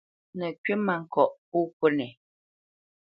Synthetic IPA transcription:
nə˨kɥe˦ma˨ŋ̩˨kɔ˨ʔu˦ko˦nɛ˨

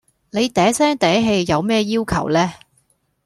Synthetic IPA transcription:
le˨˧jt̪ɛː˨˥sɛː˥ŋt̪ɛː˨˥ɦe˧jːɐ˨˧wmɛː˥jiː˥wkʰɐ̰˨˩wlɛː˥

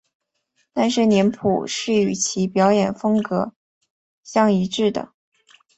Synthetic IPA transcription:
t̪a˥˧nʂɻ̩˥˩njɛ˧˥npʰṵ˨˩ʂɻ̩˥˩y˨˩t͡ɕʰi˧˥pjɑ˧˥ʊjɛ˨˩nfɤ˥ŋkɤ˧˥ | ɕjɑ˥˩ŋi˧˥ʈ͡ʂɻ̩˥˩d̪ə̰˩

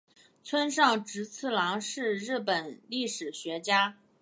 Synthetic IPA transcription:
t͡sʰwə˥nʂɑ˥˩ŋʈ͡ʂɻ̩˧˥t͡s̩ʰ˥˩lɑ˧˥ŋʂɻ̩˥˧ɻɻ̩˥˩pə˨˩nli˥˩ʂɻ̩˨˩ɕɥɛ˧˥t͡ɕja˥

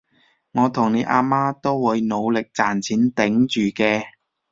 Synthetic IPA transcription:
ŋɔː˨˧t̪ʰʊ˨˩ŋne˨˧jʔa̰ː˧maː˥t̪o˥wwuː˨˧jno˨˧wlɪ˨k̚t͡saː˨nt͡sʰiː˨˥nt̪ɪ˨˥ŋt͡ʃyː˨kɛː˧

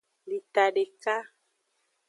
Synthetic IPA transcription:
li˨t̪a˨ɖe˨ka˦

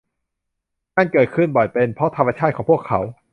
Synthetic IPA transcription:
ŋaː˥˧˨nkɤː˨˩t̪̚kʰɯ˥˩nbɔ˨˩jpe˧npʰɾɔ˦˥t̪ʰa˧mːaː˧t͡ɕʰaː˥˩t̪̚ʰɔː˩˦pʰu˥˩əkʰːa˩˦˥w

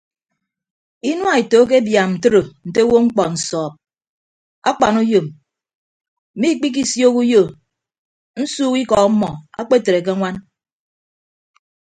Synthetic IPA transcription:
i˦nwa˨e˨to˨˦k̬e˦bja˨mn̩˨tɨ˦ɾo˨n̩˨te˦wo˦ŋ͡m̩˦k͡pɔ˨n̩˨sɔː˨p̚ | a˦k͡pa˨nu˦jo˨m | m̩˨mi˦k͡pi˦k̬i˦sjo˦ku˦jo˦˨ | n̩˦suː˦ki˦kɔ˨k̩˦mɔ˨a̰˦k͡pe˦te˨ɾe˨k̬e˦ŋʷa˦n

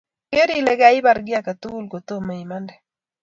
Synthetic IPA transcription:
ke˦ɾi˦lɛ˨ɡaɪ˦ba˨ɾɡɪ˦a˦ka˨t̪u˦lko˨t̪o˦ma˨i˨ma˦ndɛ˨

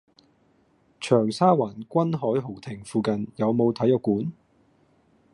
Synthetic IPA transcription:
t͡ʃʰœː˨˩ŋsaː˥waː˨˩nkʷɐ˥nɦɔː˨˥jɦo˨˩wt̪ʰɪ˨˩ŋfuː˨˧kɐ˨njɐ˨˧wmo˨˧wt̪ʰɐ˨˥jɔː˨˧kuː˨˥n

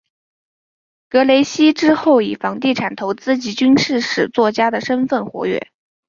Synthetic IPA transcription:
kɤ˧˥le˧˥ɪɕi˥ʈ͡ʂɻ̩˥xo˥˩ʊi˨˩fɑ˧˥ŋt̪i˥˩ʈ͡ʂʰa˨˩nt̪ʰo˧˥ʊt͡sɹ̩˥˩t͡ɕi˧˥t͡ɕy˥nʂɻ̩˥˩ʂɻ̩˨˩t͡swɔ˥˩t͡ɕja˥d̪ə˨ʂə˥nfə˥˩nxwɔ̰˧˥ɥɛ̰˥˩

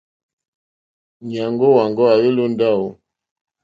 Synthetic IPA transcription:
ɲa˨ŋɡo˦wa˨ŋɡɔ˦a˨we˦lo˦n˦da˦˨wo˨

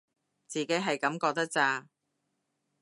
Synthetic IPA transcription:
t͡siː˨ke˨˥jɦɐ˨jkɐ˨˥mkɔː˧k̚t̪ɐ˥k̚t͡saː˧

